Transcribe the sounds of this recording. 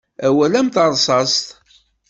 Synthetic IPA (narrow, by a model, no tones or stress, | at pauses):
æwælæmt̪əɾˤsˤɑst̪